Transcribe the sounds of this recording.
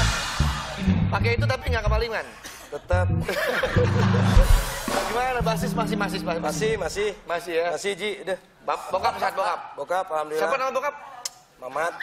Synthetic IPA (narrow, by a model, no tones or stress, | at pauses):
pakait̪̬ut̪apiŋɡaʔkəmaliŋan | t̪ət̪əp̚ | ɡimanabasɪsmas̬ɪhmasɪsbasmasɪhmasɪhmasɪhjaasɪhd͡ʒidəh | babokap̚saat̪̚bokap̚bokap̚alamdusapanamabokap̚ | mamat̪̚